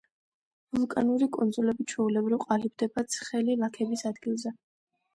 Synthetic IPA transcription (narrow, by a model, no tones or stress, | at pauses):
vulˠkʼa̰nuɾikʼɔnd̪zulɛbit͡ʃʰwɛulɛbɾivqʼalib̚d̪ɛbat̪sʰχɛlilˠakʰɛbisad̪ɡilˠzɛ